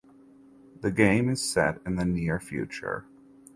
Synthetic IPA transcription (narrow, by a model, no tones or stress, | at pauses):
ðɨɡẽɪ̃mɨz̥sɛ̰ɾɨ̃nðɨnɪɹfjʉ̰t͡ʃə̰˞